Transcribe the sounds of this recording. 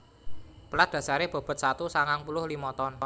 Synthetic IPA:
pəlad̪̥ä̤saɾeb̥ɔ̤b̥ə̤t̪̚sat̪usaŋaŋpulʊhlimɔt̪ɔn

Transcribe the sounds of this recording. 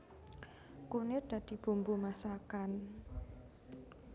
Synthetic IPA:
kunɪrd̪̥a̤d̪̥i̤b̥ṳmbumasakan

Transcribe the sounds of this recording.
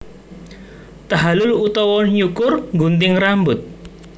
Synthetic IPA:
t̪aɦalʊlut̪ɔwɔɲukʊrŋɡunt̪̬ɪŋrambʊt̪̚

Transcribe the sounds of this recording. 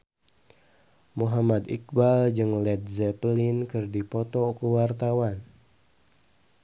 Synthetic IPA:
muɦamad̪ik̚bald͡ʒɨŋlɛt̪̚zɛpəlinkɨrdipɔt̪ɔkəwart̪awan

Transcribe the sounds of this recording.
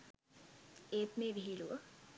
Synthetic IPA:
eːt̪meːʋiɦiluʋə

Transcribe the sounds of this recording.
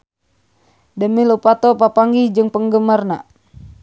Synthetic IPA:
dəmilupat̪ɔpapaŋɡihd͡ʒɨŋpəŋɡəmarna

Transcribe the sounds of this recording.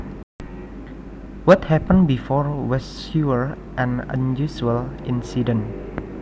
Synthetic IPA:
wɔthɛpə̃nbifɔɹwɛssuəɹ | ʔɛ̃nə̰̃njusuəlʔɪ̃nsidə̃n

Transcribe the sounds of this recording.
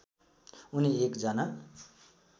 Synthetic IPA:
uniekd͡zʌna

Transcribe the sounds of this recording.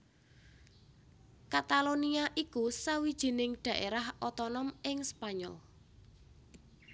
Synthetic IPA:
kat̪aloniaʔikusawid̥ʒ̥i̤nɪŋɖ̥a̤ʔeɾahɔt̪ɔnɔmɪŋspaɲɔ̰l

